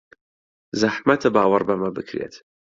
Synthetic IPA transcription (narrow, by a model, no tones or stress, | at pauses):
zaħmɐt̪ʰɨbaːwɐɾbɐmɐbɨkʰɾḛt̪